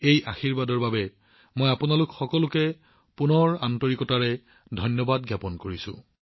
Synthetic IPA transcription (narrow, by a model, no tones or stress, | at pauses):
ejʔa̰xiɹbadɔɹbabɛ | mojapunalʊkxɔkɔlʊkɛ | punɔɹantɔɹikɔtaɹɛ | dʱɔjnjɔbadɡjapɔnkoɹisʊ̰̃